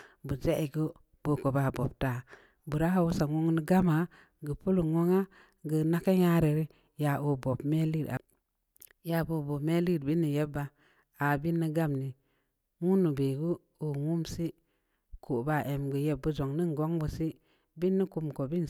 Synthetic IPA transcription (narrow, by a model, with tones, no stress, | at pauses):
bu˨d͡ʒe˦ʔi˨ɡə˦ | b̥o˨ko˨ba˨bo˨b̚ta˨ | bu˨ɾa˦ha˨˦wu˦sa˨ŋo˦ŋni˦ɡa˦ma˨ | ɡə˨pu˦lu˨ŋo˦ŋa˦ | ɡə˨na˦ke˦ɲa˦ɾe˨ɾi˦ | ja˨ʔo˨bo˨bme˦li˦˨ɾa̰˨ | ja˨bo˨bo˨bme˦li˦˨ɾbi˦nːi˨je˦bːa˦ | a˨bi˦nːi˦ɡa˦˨mni˨ | ŋu˦nːu˨be˨ɡu˦ | u˨ŋu˦msi˦ | kʰu˨ba˦˨ʔe˨mɡə˨je˦bːu˦d͡ʒo˨ŋni˦ŋ˨ɡo˦ŋbu˨si˦ | bi˦nːi˦ku˧mko˨bi˦n